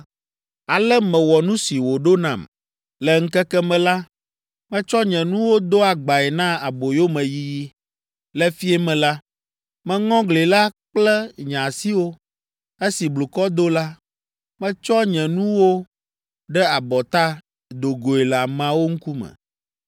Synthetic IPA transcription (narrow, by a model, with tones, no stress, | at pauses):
a˨lɛ˦mɛ̃˨wɔ˨nũ˦si˨wo˨ɖo˦nã̰˨m | lɛ˨ŋ̩˦kɛ˦kɛ˦mɛ̃˦la˦ | mɛ̃˦t͡ʃɔ˦ɲɛ̃˨nũ˦wo˦d̪o˦a˨ɡ͡ba˨ɛ˨nã˦a˨bo˨jo˦mɛ̃˨ji˦ji˦ | lɛ˦fi˦ɛ˦mɛ̃˨la˦ | mɛ̃˦ŋɔ̃˦ɡle˨la˦k͡plɛ˦ɲã˨si˦wo˦ | e˦si˨blu˨kɔ˦d̪o˦la˦ | mɛ̃˦t͡ʃɔ˦ɲɛ̃˨nũ˦wo˦ | ɖɛ˦a˨bɔ˨t̪a˦ | d̪o˨ɡo˨e˨la˨mã˨wo˦ŋ̩˦ku˦mɛ̰̃˨